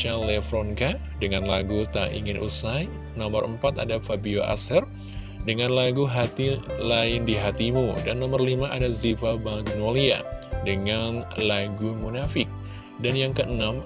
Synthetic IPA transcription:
ʃalːɛfɾɔnka | dəŋanlaɡut̪aʔḭŋɪnʔṵsaj | nɔmərəmpat̪a̰dafabioʔa̰sər | dəŋanlaɡuɦat̪ilaɪndiɦat̪imudanːɔmərlimaʔadazifabaŋɡnolia̰dəŋanlaɡumunafɪk̚ | danjaŋkəʔənam

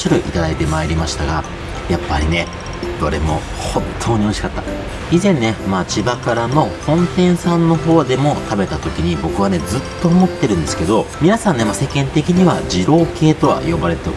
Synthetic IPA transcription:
ɕiɾɯ̟ʔit̪ad̪ait̪e̞maeɾʲimaɕi̥t̪aɡa | japːaɾʲine̞ | d̪̥o̞̰ɾe̞̰mo̞̰ | hõ̞nt̪ʰːo̞ːɲ̟io̞ɕi̥kat̪ːa | izẽ̞nːe̞mat͡ɕibakaɾano̞hõ̞nt̪ẽ̞ɰ̃sãnːo̞ɦo̞ːd̪e̞mo̞t̪abe̞t̪at̪o̞kʲiɲ̟ibo̞kɯ̟βane̞zɨt̪ːo̞ːmo̞t̪ːe̞ɾɯ̟̃nd̪esɨ̥ke̞d̪o̞mʲinasãnːe̞mase̞kẽ̞nt̪e̞kʲiɲ̟iβad͡ʑiɾo̞ːke̞ːt̪o̞βa̰jo̞baɾe̞t̪e

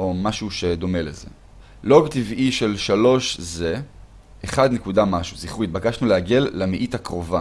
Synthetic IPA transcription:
o̞maʃuʃe̞d̪o̞me̞leze̞̰ | lo̞bt̪iviʃe̞lʃalo̞ʃze̞ | eχad̪nekudamaʃuziχuit̪̚bakaʃnuleaɡe̞lːamiʔitakʁo̞va

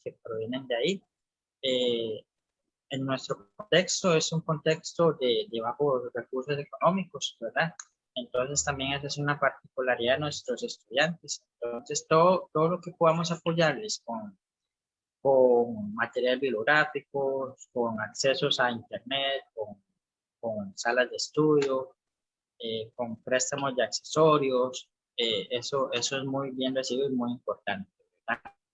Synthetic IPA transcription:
kepɾo̞βjene̞nd̪eai | e | eŋnwe̞st̪ɾokont̪e̞kst̪oe̞suŋko̞nt̪e̞kst̪oðed̪eβaxosre̞kuɾso̞se̞ko̞nõ̞miko̞sbe̞ɾða | ent̪o̞nse̞st̪ambje̞ŋes̬asiunapaɾt̪i̥kulaɾiðanwe̞st̪ɾo̞se̞st̪uðjant̪e̞sent̪onse̞st̪oðot̪oðoloke̞poðamo̞s̬apo̞ʝaɾlesko̞ŋ | koŋmat̪e̞ɾjalezbijoɣɾafikoskoŋakse̞so̞saint̪e̞ɾnet̪̚koŋ | koŋsalazd̪e̞ːst̪uðjo | eko̞ŋpɾe̞st̪amo̞zd̪eakse̞so̞ɾjos | eesoʔe̞so̞ezmujbje̞nresiβoimujimpo̞ɾt̪ant̪̚e̞βeɾd̪a

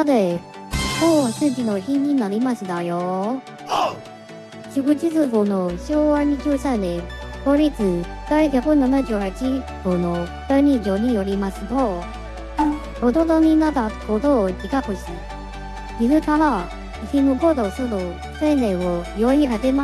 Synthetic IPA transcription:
ad̪e | koasɨkinoçiɲinaɾʲimaɕid̪ajo | ɕiɡot͡ɕizɨɡonoɕoːβaɲ̟iʑɨːsanẽt̪oɾʲit͡sɨɡaiɡʲakonanaʑɯːhat͡ɕiɡono | t̪aɲʲid͡ʑoɲijoɾʲimasɨt̪o | od̪od̪omʲinːad̪akod̪od͡ʑikakoɕi | iɾɯ̟k̪aɾa | çinokod̪osɯno | senẽojoɲʲihat̪ema

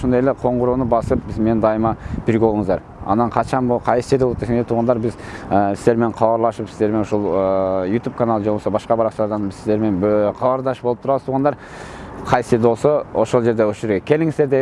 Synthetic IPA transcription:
ʃond̪ɑjeleqʰo̞ɴʁʊɾunəbɑsəp̚bɪzmend̪ɑjəmɑbiɾɡʲewolˠəɴəzd̪ɑɾ | ɑ̰nːɑɴqʰɑʃɑnboqʰɑjsə̥ʃed̪elˠɑt̪̚d̪esend̪et̪ʰuʁɑnd̪ɑɾbɪzəsɪzd̪eɾme̞ɴqʰɑbɑɾlˠɑʃəpsɪzeɾmenoʃolˠəjut̪ʲup̚kʰanɑlˠʒelbosɑbɑsqɑbɑɾɑqʃlˠɑɾd̪ɑnbɪzsɪzd̪eɾme̞nqʰɑbɑɾd̪ɑʃəpbolˠəpt̪ʰɾɑwət̪uʁɑnd̪ɑɾ | qʰɑjsəʃed̪wo̞lˠsəoʃo̞lˠʒe̞ɾd̪ewɵʒɪɾɡʲekʲʰe̞lɪŋɪzd̪eɾd̪e

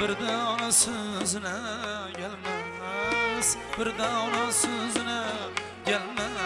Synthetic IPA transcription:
b̥ɪɾd̪aɒnasɪznaɡʲalma | sb̥ɪɾd̪aɒnasɪzna | ɡʲalma

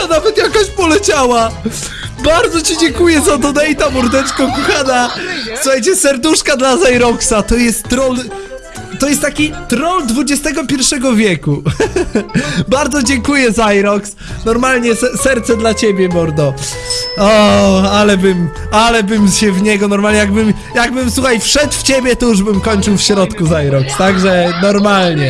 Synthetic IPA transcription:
anavɛt̪jakɔɕpɔlɛt͡ɕawa | baɾd̪zɔt͡ɕid͡ʑɛŋkujɛzad̪ɔd̪ɛjt̪amuɾd̪ɛt͡ʂkɔ̃kuxanasuxajt͡ɕɛsɛɾd̪uʂkad̪lazajɾɔksat̪ɔjɛst̪ːɾɔl | t̪ɔjɛst̪t̪ːakʲit̪ɾɔld̪vud͡ʑɛst̪ɛɡɔpʲjɛɾfʂɛɡɔvʲjɛku | baɾd̪zɔd͡ʑɛŋkujɛzajɾɔks | nɔɾmalɲɛsɛsɛɾt̪sɛd̪lat͡ɕebʲjɛbɔɾd̪ɔ | ɔalɛbɘm | alɛbɘmɕɛvɲɛɡɔnɔɾmalɲɛjaɡbɘm | jaɡ̚bɘmswuxajfʂɛt̪ft͡ɕebʲjɛt̪ɔjuʐbɘmkɔɲʲt͡ʂɨwfɕɾɔt̪kuzajɾɔkst̪aɡʐɛnɔɾmalɲɛ

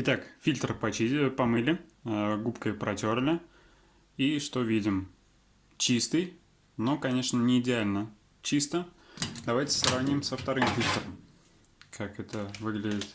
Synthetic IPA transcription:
ɪt̪akfʲilʲt̪rpɐipɐmɨlʲɪɡupkəjəpɾɐtʲo̞rlʲɪ | iʂt̪o̞vʲidʲɪm | t͡ɕist̪ɨj | no̞kɐnʲe̞ʂnənʲɪːdʲɪalʲnə | t͡ɕist̪ə | d̪ɐvajtʲɪ̥sɾɐvnʲimsəft̪ɐɾɨmfʲilʲt̪ɾəm | kʰakɛt̪əvɨɡlʲɪdʲɪt̪

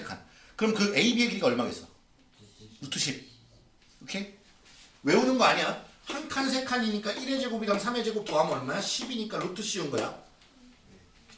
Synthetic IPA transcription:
ekʰa̰n | kɯɾʌmkɯe̞ibiekiɾiɡaʌɭmaɡes͈ʌ | ɾutʰuɕʰip̚ | okʰe | we̞unɯnɡʌaɲijahaŋkʰans̬ʰe̞kʰaɲiɲik͈aʔiɾe̞d͡ʑeɡobiɾansʰame̞d͡ʑeɡopuɦamʌɭmaaɕʰibiɲik͈aɾutʰuɕ͈iunɡʌja̰

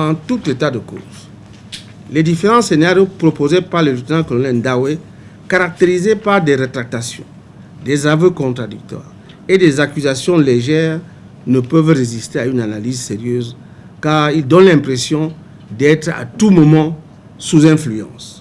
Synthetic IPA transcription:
ɑ̃t̪ut̪et̪ad̪əko̰ːz | led̪ifeʁɑ̃senaʁjopʁopozepaʁləlyt̪ənɑ̃kɔlɔnɛ̃d̪awe | kaʁak̚t̪eʁizepaʁd̪eʁət̪ɾak̚t̪asjɔ̰̃ | d̪ezavøkɔ̃t̪ʁad̪yk̚t̪wa̰ːʁ | ed̪ezakyzasjɔ̃leʒɛːʁ | nəpøvrezist̪eaynanalizseʁjøz | kaːʁild̪ɔnlɛ̃pχesjɔ̃ | d̪ɛt̪ʁa̰t̪umɔmɑ̃ | suzɛ̃flyɑ̰̃s

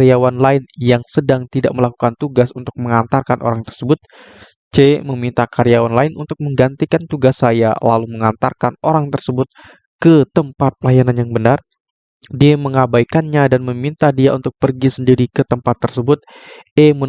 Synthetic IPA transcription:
ɾiawanlaɪnjaŋsədaŋt̪idaʔməlakukant̪uɡasunt̪ʊk̚məŋant̪arkanʔo̰ɾaŋt̪ərsəbʊt̪̚ | t͡ʃeməmint̪akaɾijawanlaɪnʔunt̪ʊk̚məŋɡant̪ikant̪uɡasːaja̰la̰luməŋant̪a̰rkanoɾaŋt̪ərsəbʊt̪̚ | kət̪əmpat̪̚pəlajananjaŋbənar | diaməŋabajkanɲadanməmint̪adiaunt̪ʊk̚pərɡisəndiɾikət̪əmpat̪ːərsəbʊt̪̚ | ɛmə

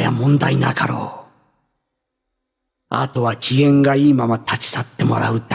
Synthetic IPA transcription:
ja̰mõ̞nd̪ainaka̰ɾo̞̰ː | a̰t̪o̞βakʲiɡẽ̞ŋɡaiːmamat̪ʰat͡ɕi̥sat̪ːe̞mo̞̰ɾa̰ɯ̟t̪a

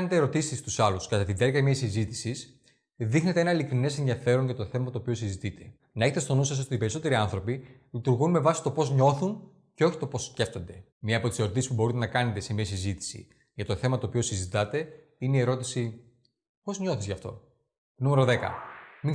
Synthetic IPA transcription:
net̪eɾo̞t̪isist̪usɐluskɐt̪ɐt̪id̪eɾkɐmɲɐsizit̪i̥sis | ðixnet̪e̞e̞nɐilikɾine̞senðiɐfe̞ɾo̞nʝɐt̪oθe̞mɐt̪oːpiosizit̪it̪ʰe̞̥ | nɐe̞çet̪et̪o̞nusɐs̬o̞t̪ipe̞ɾiso̞t̪e̞ɾiɐnθɾo̞pilit̪uɾɣunme̞vɐsi̥t̪o̞po̞zɲo̞θun | ceo̞çi̥t̪o̞po̞sce̞ft̪o̞nd̪e̞ | mɲɐːpot̪ise̞ɾo̞t̪isispubo̞ɾit̪enɐkɐne̞t̪esemiɐsizit̪i̥sḭ | ʝɐt̪o̞θe̞mɐt̪oːpio̞sizit̪ɐt̪e̞ | ineie̞ɾo̞t̪isi | po̞zɲo̞θizʝɐft̪o̞ | numeɾo̞ðe̞kɐ̰mi

